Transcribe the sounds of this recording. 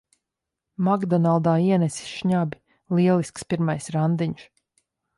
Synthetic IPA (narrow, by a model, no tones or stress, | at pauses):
maɡd̪ɔnalˠd̪aːiɛnɛsi̥sʃɲabʲi | lˠiɛlˠiskspiɾmajsɾand̪iɲʃ